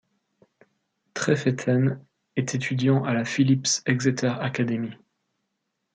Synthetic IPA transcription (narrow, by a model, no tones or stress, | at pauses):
t̪χɛfet̪ʰɛn | ɛt̪ʰet̪ʰyd̪jɑ̃ʔalafilipsɛɡzet̪œʁakad̪emi